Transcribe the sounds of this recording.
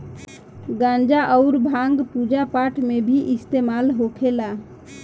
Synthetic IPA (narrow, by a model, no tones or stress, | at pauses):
ɡãnd͡ʒaʔəʊɾbʱãŋɡpud͡ʒapaʈʰmebʱiʔist̪emalɦokʰela